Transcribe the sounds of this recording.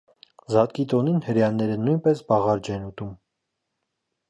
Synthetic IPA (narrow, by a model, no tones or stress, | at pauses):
zɑt̪̚kit̪ɔninhəɾjɑnːɛɾənujnpɛsbɑʁɑɾd͡ʒɛnut̪um